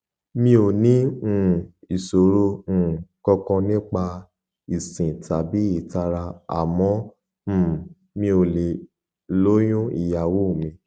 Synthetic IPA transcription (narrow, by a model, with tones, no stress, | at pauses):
mĩ˦o˨nĩ˦ũ˦˨i˨so˨ɾõ˦˨kɔ˧kɔ̃˧nĩ˦k͡pa˧ | i˨sĩ˨ta˨bi˨˦i˦˨ta˧ɾa˧a̰˨mɔ̃˨˦˨ | mĩ˧o˨le˨ | lo˦j̃ũ˦ḭ˨ja˨wo˦˨mĩ˧˦